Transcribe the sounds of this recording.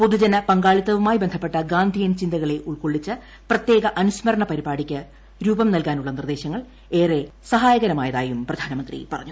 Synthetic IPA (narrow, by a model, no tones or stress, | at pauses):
po̞ðud͡ʑɐnɐpɐŋɡaːɭit̪ːɐʋumaːjibend̪ʱɐpːe̞ʈːɐɡaːnd̪ʱijɐnt͡ɕind̪ɐɣɐɭe̞ʔuɭkoɭːit͡ɕːɨ | prɐt̪je̞ːɣɐʔɐnuɕmɐɾɐɳɐpɐɾibaːɽikʲːɨ | ɾuːbɐmnɐlkaːnuɭːɐnird̪e̞ːɕɐŋːɐɭ | e̞ːre̞sɐɦaːjɐɣɐɾɐmaːjɐðaːjumprɐd̪ʱaːnɐmɐnd̪rḭpɐrɐ̰ɲːu